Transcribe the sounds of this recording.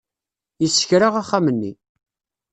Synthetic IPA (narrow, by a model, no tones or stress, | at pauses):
jəsːə̥çɾaʁaχːamənːḭ